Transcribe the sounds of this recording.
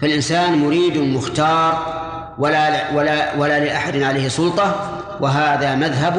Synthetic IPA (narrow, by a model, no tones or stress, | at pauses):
falʔɪnsaːnmʊɾiːd̪mʊxt̪ɑːɾˤ | waaawalaːlɪʔaħad̪ɪnʕaleːhsˤʊlt̪ˤɑ | wʔɪɦaːðamaðɦab